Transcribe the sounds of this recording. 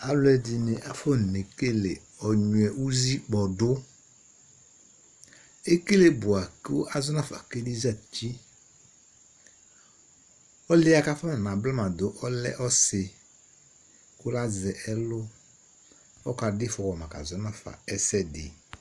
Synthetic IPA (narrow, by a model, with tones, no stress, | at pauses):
a˨lʊ˦ɛ˦dɪ˨nɪ˨ʔa˨fɔ˦˨ne˨ke˦le˨ | ɔ˨ɲʊ˨ɛ˨ʔu˦zi˦k͡pɔ˨dʊ˦ | e˦ke˦le˦bʊ˨a˨kɪ˦ʔa˨zʊ˦na˦˨fa̰˨ke˦di˦za˦˨t͡ʃi˦ | ɔ˦lɪ˦a˦ka˦fɔ˦na˨nã˨bla˦ma˨dʊ˨ʔɔ˦lɛ̰˦ʔɔ˦sɪ˨ | kʊ˦la˦zɛ˨ʔɛ˦lʊ˦ | ɔ˦ka˨dɪ˦fɔ˨wɔ˨mã˨ka̰˨zɔ˨na˦fa̰˨ɛ˦sɛ˦dɪ̰˨